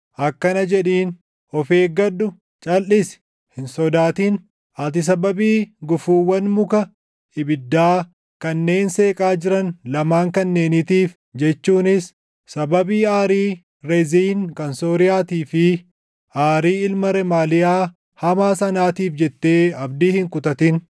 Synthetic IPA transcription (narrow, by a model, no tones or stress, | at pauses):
ʔɐkːɐnɐd͡ʒɛᶑiːn | ɔfe̞ːɡɐɗʊ | t͡ʃʼɐlːɪsɛ̥ | hɪnsɔd̪aːt̪iːn | ʔɐt̪̬ɪs̬ɐbɐbiːɡʊfuːwːɐnmʊkɐ | ɪbɪd̪ːaː | kɐnːe̞ːnse̞ːkʼaːd͡ʒɪɾɐnlɐmaːŋkɐnːe̞ːniːt̪iːf | d͡ʒɛt͡ʃːuːnɪs | sɐbɐbiːaːɾiː | ɾɛziːŋkɐnsoːɾɪjaːt̪iːfɪ | ʔaːɾiːɪlmɐɾɛmaːlɪjaː | hɐmaːsɐnaːt̪iːfd͡ʒɛt̪ːe̞ːɐbd̪iːhɪŋkʊt̪ɐt̪ɪn